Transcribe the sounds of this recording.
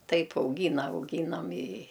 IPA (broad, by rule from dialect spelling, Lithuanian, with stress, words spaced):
ˈtɐɪp ɐʊˈɡʲiːnɐ ɐʊˈɡʲiːnɐm ɪ